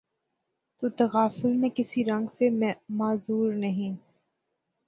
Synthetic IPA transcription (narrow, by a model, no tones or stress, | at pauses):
t̪ot̪ɐɣaːfɪlmẽkɪsiɾɐ̃ŋɡsemaːzuːɾnɐɦĩ